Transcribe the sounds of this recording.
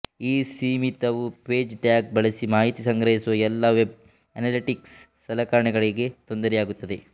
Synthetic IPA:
iːsiːmit̪ɐʋupeːd͡ʒʈjaːk̚bɐɭɐsimaːɦit̪isɐŋɡɾɐɦisuʋɐɛlːɐʋeb̚ | ɐnaːliʈiksː | ɐlɐkaːɾɐɳɛɡɐɭiɡe̞t̪o̞nd̪ɐɾɛjaːɡut̪ːɐd̪e

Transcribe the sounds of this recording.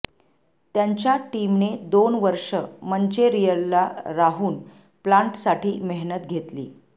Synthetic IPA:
t̪jaɲt͡ɕjaʈimned̪onʋəɾʂəməɲt͡ɕeɾijəllaɾaɦuːn | plaɳʈsaʈʰiːmeɦnət̪̚ɡʱet̪lḭː

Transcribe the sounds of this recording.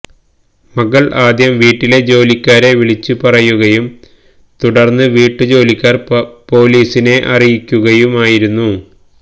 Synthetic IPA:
mɐɣɐɭʔaːd̪jɐmʋiːʈːile̞d͡ʑo̞ːlikʲːaːɾe̞ʋiɭit͡ɕːupɐrɐjuɣɐjum | t̪uɽɐrnːɨʋiːʈːɨd͡ʑo̞ːlikʲːaːrpo̞ːliːsine̞ʔɐrijikʲːuɣɐjumaːjiɾunːu

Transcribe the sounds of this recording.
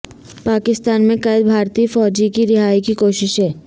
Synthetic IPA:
paːkɪst̪aːnmẽkɐjəd̪̚bʱaːɾt̪iːfɔːd͡ʒikiɾɪɦaːikikoːʃɪʃɦɛː

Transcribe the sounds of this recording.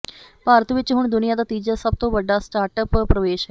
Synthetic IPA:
paːɾət̪ʋɪt͡ʃɦʊɳd̪ʊnijaːd̪aːt̪iːd͡ʒaːsəb̚t̪õːʋəɖaːsʈaːɾʈəppɾəʋeːʃɦɛ

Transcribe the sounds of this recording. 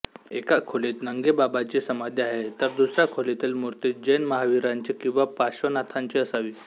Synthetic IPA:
ekakʰolit̪nəŋɡebabat͡ɕesəmad̪ʱjeaɦet̪əɾd̪usɾakʰolet̪ilmuɾt̪it̪̚d͡ʑəjnməɦaʋiɾaɲt͡ɕikĩw̃ʋapaɕʋənat̪ʰaɲt͡ɕiəsaʋiː

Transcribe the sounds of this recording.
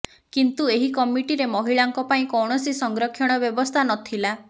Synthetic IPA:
kint̪ueɦikɔmiʈiɾemɔɦiɭaŋkɔpaĩkɔwɳ̃ɔsisɔŋɡɾɔkʰːjɔɽ̃ɔbjɔbɔst̪ʰanɔt̪ʰila

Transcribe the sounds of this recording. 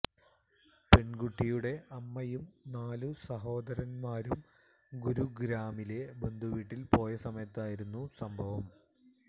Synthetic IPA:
pe̞ɳɡuʈːijuɽe̞ʔɐmːɐjumnaːlusɐɦo̞ːd̪ɐɾɐnmaːɾum | ɡuɾuɡɾaːmile̞be̞nd̪ʱuʋiːʈːilpo̞ːjesɐmɐjɐt̪ːaːjiɾunːusɐmbʱɐʋɐm

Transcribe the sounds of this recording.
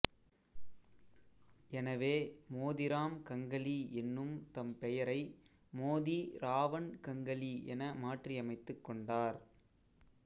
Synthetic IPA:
ɛnɐʋeːmoːðɪɾaːmkɐŋɡɐliɛnːɯmt̪ɐmpɛjɐɾɐɪ | moːðiɾaːʋɐnkɐŋɡɐliɛnɐmaːʈriɐmɐɪt̪ːɯkːɔɳɖaːɾ

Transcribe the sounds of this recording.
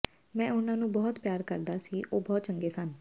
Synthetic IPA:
mɛ̃ːʊnãːnũːbɔːt̪pjaːɾkəɾd̪aːsiːʔoːbɔːt̪̚t͡ʃəŋɡeːsən

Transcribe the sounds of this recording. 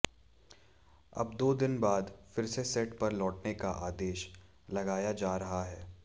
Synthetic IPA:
ɐ̰b̚d̪oːd̪ɪnbaːd̪fɪɾsesɛːʈpɐɾlɔːʈnekaʔaːd̪eːʃ | lɐɡaːjad͡ʒaːɾɐɦaɦɛː

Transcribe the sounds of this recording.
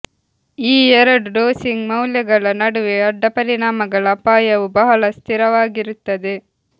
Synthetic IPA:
iːɛɾɐɖɖoːsiŋɡmɐwljɐɡɐɭɐnɐɽuʋeɐɖːɐpɐɾiɳaːmɐɡɐɭɐpaːjɐʋubɐɦɐɭɐst̪iɾɐʋaːɡiɾut̪ːɐd̪e

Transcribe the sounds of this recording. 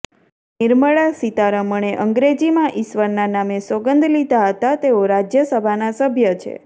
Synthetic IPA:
niɾməɭasit̪aɾəməɳ̃eʔəŋɡɾed͡ʒimãʔiʃʋəɾnanamesoɡənd̪ʱlid̪aɦət̪at̪eoɾad͡ʒjəsəbʱanasəbʱjət͡ʃʰḛ

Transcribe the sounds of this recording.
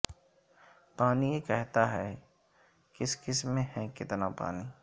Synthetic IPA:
paːnijekɛɦt̪aɦɛ | kɪskɪsmẽhɛ̃kɪt̪napa̰ːni

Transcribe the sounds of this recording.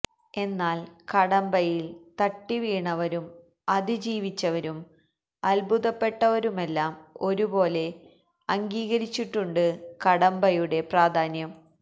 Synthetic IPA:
e̞nːaːlkɐɽɐmbɐjilt̪ɐʈːiʋiːɳɐʋɐɾum | ɐðid͡ʑiːʋit͡ɕːɐʋɐɾum | ɐlbʱuðɐpːe̞ʈːɐʋɐɾume̞lːaːmo̞ɾubo̞ːle̞ | ɐŋɡiːɣɐɾit͡ɕːiʈːuɳɖɨkɐɽɐmbɐjuɽe̞praːd̪ʱaːnjɐm

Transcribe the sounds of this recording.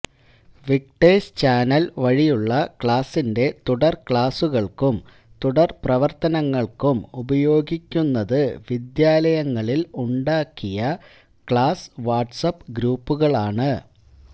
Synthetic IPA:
ʋik̚ʈeːst͡ɕaːnɐlʋɐɻijuɭːɐkɭaːsːinde̞t̪uɽɐrkɭaːsuɣɐɭkum | t̪uɽɐrprɐʋɐrt̪ɐnɐŋːɐɭkumubɐjo̞ːɡikʲːunːɐðɨʋid̪jaːlɐjɐŋːɐɭiluɳɖaːkːijɐ | kɭaːsʋaːʈsɐpːɡɾuːpːuɣɐɭaːɳɨ

